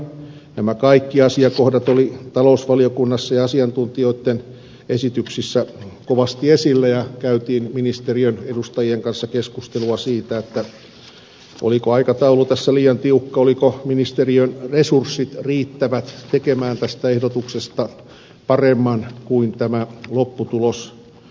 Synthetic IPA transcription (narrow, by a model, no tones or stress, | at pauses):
næmækɑikːiɑsiɑkohdɑt̪olit̪ɑlousʋɑliokunːɑsːɑjɑɑsiɑnt̪unt̪ioit̪ːen | esit̪yksisːækoʋɑst̪iesilːæjɑkæyt̪iːnminist̪eriønedust̪ɑjieŋkɑnsːɑkeskust̪eluɑsiːt̪æet̪ːæ | ʔo̰likoɑikɑt̪ɑulut̪æsːæliːjɑnt̪iukːɑolikominist̪eriønresursːit̪riːt̪ːæʋæt̪t̪ekemæːnt̪æst̪æehdot̪uksest̪ɑ | pɑremːɑnkuint̪æmælopːut̪ulos